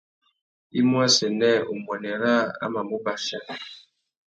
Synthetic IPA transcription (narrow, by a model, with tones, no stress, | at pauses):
i˦mwa˦sɛ˨nɛ˦u˨mwɛ˨nɛ˨ɾa˦a̰˦ma˨mu˦ba˨ʃa˦